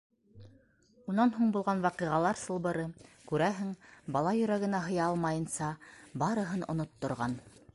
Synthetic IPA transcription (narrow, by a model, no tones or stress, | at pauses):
unɑnɦuɴbulˠʁɑnwɑqiʁɑlˠɑɾsɤ̆lˠβɤ̆ɾɤkʉɾæɦɘŋbɑlˠɑjɵ̆ɾæɡɘ̆næɦɤ̆jɑɑlˠmɑjɤ̆nsɑbɑɾɤ̆ɦɤnŏ̰not̪ːŏɾʁɑn